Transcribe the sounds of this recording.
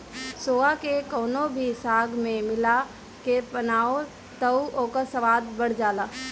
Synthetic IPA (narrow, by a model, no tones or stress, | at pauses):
soːakekoːnobʱisaːɡmẽmɪla | kepɐnaːo | t̪ɐuʔoːkəsəʋaːd̪̚bəɽ̤d͡ʒaːlaː